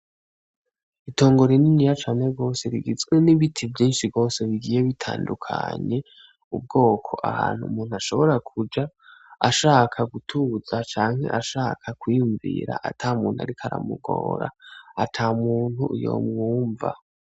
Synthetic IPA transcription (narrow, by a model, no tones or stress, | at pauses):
itʰo̞ːŋɡo̞ɾininijat͡ʃaːne̞ɡo̞ːse̞ɾiɡizɡweniβitʰivjiːnʃiɡo̞ːse̞βiɡije̞βitʰa̰ːndukʰa̰ɲe̞ | ub̚ɡo̞ːkʰo̞̰ʔa̰haːn̥hṵmuːn̥uaʃo̞βo̞ɾakʰud͡ʒa | aʃaːkʰaɡutʰuzat͡ʃaːŋ̥he̞̰ʔaʃaːkʰakwiːjuɱvḭɾa̰ʔatʰamuːn̥hua̰ɾikʰaɾa̰muɡo̰ːɾa̰atʰaːmuːn̥hujo̰mŋuːɱva̰